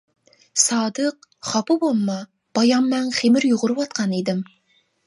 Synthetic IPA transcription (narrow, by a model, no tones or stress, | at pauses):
sɑːd̪əqχɑpɨbolˠmɑ | b̥ɑjɑmːɛnχemɪɾjoʁʊɾɨwɑt̪̚qʰɑnid̪ɪm